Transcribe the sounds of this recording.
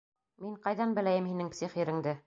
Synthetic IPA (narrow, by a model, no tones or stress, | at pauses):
miŋqɑjðɑnbɘ̆læjɘmhinɘŋpsiχiɾɘ̆ŋd̪ɘ